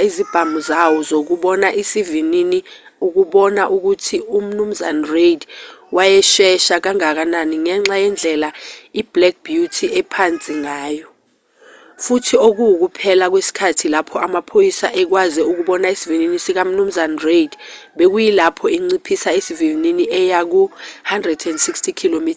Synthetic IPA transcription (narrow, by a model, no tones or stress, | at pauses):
izib̥ʱamuzawɔzok̬uɓɔnaʔisivinini | uk̬uɓɔnaʔuk̬utʰium̩num̩zanaredwajɛʃɛʃak̬aŋak̬ananiŋɛŋ͡ǁajɛnd͡ɮʱɛlaib̥lɛk̚b̥jutʰiʔɛpʰant͡sʼiŋaːjɔ | futʰiok̬ujk̬upʰɛlak̬wesi̥kʰatʰilapʰɔʔamapʰojisaʔɛk̬wazɛuk̬uɓɔnaisivininisik̬am̩num̩zanarejdɓek̬ujilapʰɔiŋ͡ǀipʰisaesiviininiʔɛjak̬uhandrɛdɛndsikstʰikʰilomitʰa